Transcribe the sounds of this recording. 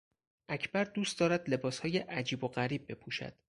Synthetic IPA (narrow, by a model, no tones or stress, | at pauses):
ʔæcʰbæɾd̪uːst̪d̪ɒːɾæd̪le̞bɒːshɒːjeʔæd͡ʒiːboɢæɾiːb̚ːe̞pʰuʃæ̰d̪̥